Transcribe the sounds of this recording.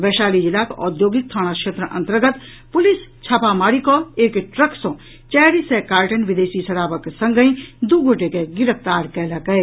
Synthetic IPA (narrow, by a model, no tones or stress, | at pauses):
ʋɛːʃaːlid͡ʒɪlaːkɔ̰ːd̪joːɡik̚t̪ʰəɽ̃aʃʰet̪ɾəʔɐ̰̃nt̪əɾɡət̪ | pʊlist͡ʃʰapamaːɽikɔeːkʈɾəksõ | t͡ʃɛːɾisɛkaːɾʈənʋɪd̪eːsisɐɽaːʋəksɐ̃ŋɡəĩd̪uɡʱoʈekeɡɪɾəpʰt̪aːɾkɛːlakɐe